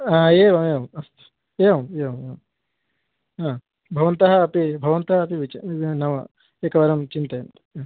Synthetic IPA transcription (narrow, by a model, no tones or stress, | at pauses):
aːeːʋɐmeʋɐmɐst̪ | eːʋɐmeʋɐme | ã | bʱɐʋɐnt̪ɐɦɐːpibʱɐʋɐnt̪ɐɦɐɐpiʋit͡ʃnɐʋɐ | ekɐʋɐɾɐmt͡ʃint̪ɐn